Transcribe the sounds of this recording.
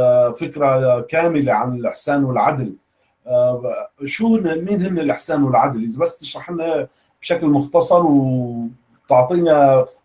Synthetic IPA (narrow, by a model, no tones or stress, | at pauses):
fɪkɾakaːmɪleʕanɪlʔɪħsaːnwɪlʕad̪l | ʃuːnmiːnhɪmːɪlʔɪħsaːnwɪlʕad̪lʔɪzbasːt̪ɪʃɾˤɑħʔɪnːa | b̥ʃaklmʊxt̪ɑsˤɑɾˤw | t̪ɑʕt̪ˤiːna